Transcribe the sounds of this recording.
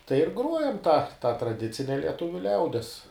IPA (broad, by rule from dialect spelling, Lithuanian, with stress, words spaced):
tɐɪ ɪr ˈɡruɔjɛm tɑː tɐ trɐˈdʲɪt͡sʲɪnʲɛ lʲiɛˈtʊʋʲʊ ˈlʲɛʊdʲiɛs